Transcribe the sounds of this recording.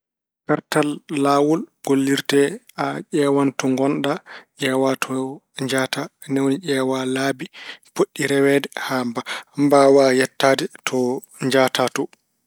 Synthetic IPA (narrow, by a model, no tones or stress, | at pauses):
kaɾtalːaːwɔlɡ̥olːiɾtɛ | aʄɛwantɔŋɡɔnɗaʔɛːwatʰɔ | ɲd͡ʒaːtanewniʔɛːwalaːbipoɗːiɾɛwɛdɛhambambawajɛtːaːdɛtʰɔ | ɲd͡ʒatatɔ